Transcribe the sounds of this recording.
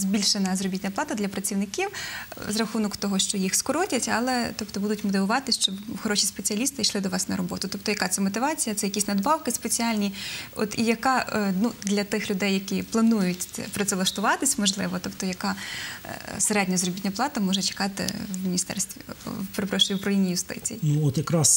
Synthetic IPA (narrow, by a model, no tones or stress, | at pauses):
zʲbʲilʲʃenɐzrɔbʲitʲnʲɐplˠɑt̪ɐd̪lʲɐpɾɐt͡sʲiwnɪkʲiwzrɐxunɔkt̪ɔɦɔʃt͡ʃɔjixskɔɾɔtʲɐtʲɐ̰lˠɛt̪ɔpt̪ɔbud̪ʊtʲmɔt̪̬ɪʋʊʋɑt̪ɪsʲʃt͡ʃɔbxɔɾɔʃʲispet͡sʲiɐlʲist̪ɪiʃlˠɪd̪ɔʋɑsnɐɾɔbɔt̪ʊt̪ɔp̚t̪ɔjɐkɑt̪sɛmɔt̪ɪʋɑt͡sʲijɐt̪sɛjɐkʲisʲnɐd̪bɑwkɪspet͡sʲialʲnʲiɔ̰t̪ijɐkɑnud̪lʲɐt̪ɪxlʲʊd̪ɛjːɐkʲiplˠɐnujʊtʲpɾɔt̪sɛlˠɐʃt̪ʊʋɑt̪ɪsʲmɔʒlˠɪʋɔt̪ɔpt̪ɔjɐkɑ | seɾɛdʲnʲɐzrɔbʲitʲnʲɐplˠɑt̪ɐmɔʒɛt͡ʃe̥kɑt̪ɪ̰wmʲinʲist̪ɛ̰rst̪ʋʲipeɾɪpɾɔʃʊjipɾɐlʲinʲːijʊst̪ɪ̰t͡sʲḭjinuɔt̪jɐkɾɑs